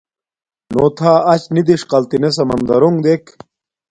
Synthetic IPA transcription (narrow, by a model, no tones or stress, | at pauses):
noːt̪ʰaːɐt͡ɕnid̪iʂqɐlt̪ines̬ɐmɐ̰nd̪ɐ̰ɾuŋɡd̪ek